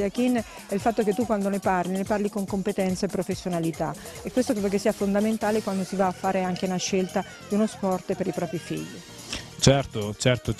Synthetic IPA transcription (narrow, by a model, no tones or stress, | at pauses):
ak̟inː | ɛilfat̪ːoket̪ːukːwand̪oneparlineparlikoŋkompet̪ɛnt̪saepːɾofesːjonalit̪a | ekːwest̪okɾeːd̪okesːiːafond̪ament̪aːlekwand̪osivaːfːaːɾeaŋkeunaʃːelt̪a | d̪iunospɔrt̪peɾipɾɔːpɾifḭʎːi | t͡ʃɛrt̪ot͡ʃɛrt̪o